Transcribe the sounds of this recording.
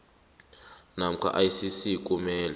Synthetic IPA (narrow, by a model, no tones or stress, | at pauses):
nam̩kʰa̰ʔajisisikʼumɛːla